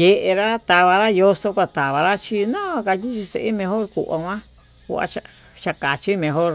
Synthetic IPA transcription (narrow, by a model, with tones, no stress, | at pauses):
je˧ʔe˧ɾa˦t̪a˧βa˧ɾa˦jo˧so˧kʷa˧t̪a˨βa˨ɾa˦t͡ʃi˧nã˦˧ka˧ti˦t͡ʃi˧sḛ˧ʔe˦mẽ˧ɦo˦ɾkṵ˨ʔa̰˧kʷã˦ | kṵ˧a̰˧t͡ʃa˧ | t͡ʃa˧ka˨t͡ʃi˦mẽ˧ɦo˦ɾ